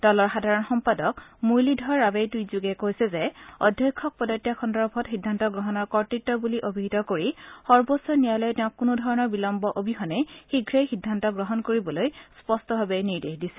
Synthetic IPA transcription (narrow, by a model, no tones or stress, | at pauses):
d̥ɔlɔɹxadʱaɹɔnxɔmpadɔkmujlidʱɔɹːabejtujzuɡɛkojsɛzɛɔdʱːjɔjkʰːɔk̚pɔdɔtːjakʰɔndɔɹbʱɔtxidʱːantɔɡɹɔɦɔnɔɹkɔɹtɹitːɔbuliʔobʱiɦitɔkoɹixɔɹbosɔɹnijajlɔjtɛ̃ʊ̃kːunudʱɔɹɔnɔɹbilɔmbɔʔobʱixɔnɛxiɡʱɹejxidʱːantɔɡɹɔɦɔnkoɹibɔlojspɔstɔbʱabɛniɹdexdisɛ